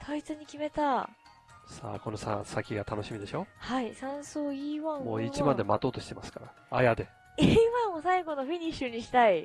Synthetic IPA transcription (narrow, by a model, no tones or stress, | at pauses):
t̪ʰait͡sɨɲ̟ikʲime̞t̪a | sa̰ːko̞nosa̰sakʲiɡat̪ano̞ɕimʲid̪e̞ɕo̞haisãɰ̃soːiːβãɰ̃moːit͡ɕimãnd̪e̞mat̪o̞ːt̪oɕi̥t̪e̞masɨ̥kaɾa | a̰jad̪e̞ | iβãɰ̃ːosaiɡo̞noɸiɲ̟iɕɨɲ̟iɕi̥t̪ai